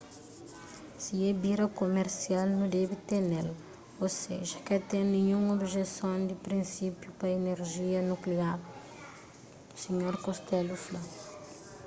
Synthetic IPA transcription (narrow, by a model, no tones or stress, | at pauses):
siɛbiɾɐkomeɾsialnũd̪ɛbit̪eɾnel | oseʒɐkɛt̪eɾnĩɲũŋobʒesõnd̪ɪpɾĩnsipjupɐeneɾʒiɐnukliaɾ | usiɲoɾkost̪ɛlufla